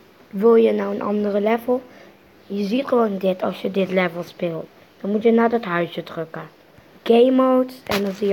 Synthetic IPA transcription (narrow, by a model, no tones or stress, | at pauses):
ʋɪlˠjənawənʔɑ̰ndərəlɛvəlˠ | jəzitχəʋoːndɪtʰɑ̰lˠsjədɪtlɛvəlˠspɪlˠt | d̥ɑnmutjənaːdɑtɦœɥsjədrɵkə | ɡ̥ejmowtsɛndɑnzijə